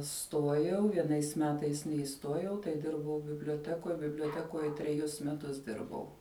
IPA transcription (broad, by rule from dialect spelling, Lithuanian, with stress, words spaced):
ˈstuɔjɛʊ ʋʲiɛˈnɐɪs ˈmʲæːtɐɪs nʲɛɪˈstuɔjɛʊ tɐɪ ˈdʲɪrbɐʊ bʲɪbʲlʲoːˈtʲæːkoːj bʲɪbʲlʲoːˈtʲæːkoːjɛ tʲrʲɛˈjʊs mʲɛˈtʊs ˈdʲɪrbɐʊ